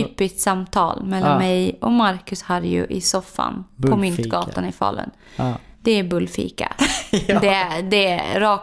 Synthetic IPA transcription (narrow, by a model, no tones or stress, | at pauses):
yːpɪst̪samt̪ʰɑ̰ːlmɛlːanmɛjɔmaɾkɵshaɾjɵ̰ʔɪsɔfːa̰npʰɔmʏntt̪ɡɑːt̪anɪfɑ̰ːlə̰n | d̪̥ɛːɾbɵlːfḭːka̰d̪ɛd̪ɛɾɑːk